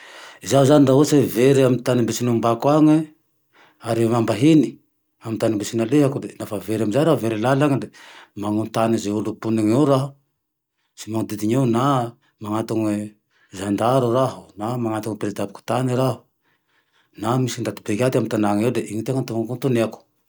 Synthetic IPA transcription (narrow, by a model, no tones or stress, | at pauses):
izaɦuzanind̪aɦoseveɾiamint̪animbesinumbakwaŋe | aɾimambaɦini | amint̪animbesinaleɦakud̪enafaveɾamizajɾaɦuveɾilalaŋid̪emaŋunt̪anizeulupunaŋeɾaɦu | simaŋud̪id̪iɲeuna | maŋat̪uŋwe | zand̪aɾuɾaɦu̥namaŋat̪uŋpɾezid̪abiku̥t̪aniɾaɦu̥ | namisind̪at̪i̥bekʲat̪iamint̪anaŋewd̪eʔiŋit̪eŋant̪uŋakunt̪uneaku̥